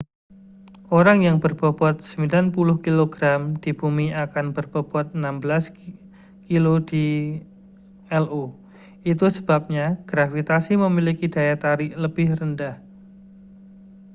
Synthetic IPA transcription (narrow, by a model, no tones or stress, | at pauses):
oɾaŋjaŋbərb̥ɔb̥ɔt̪̚səmbilanpulʊhkiloɡɾamd̥ib̥umiakanbərb̥ɔb̥ɔt̪̚ənambəlas | kilod̥i | ɛlʔu | it̪usəbap̚ɲaɡ̥ɾafit̪asiməmilikid̥ajat̪aɾɪʔləb̥ɪhrəndah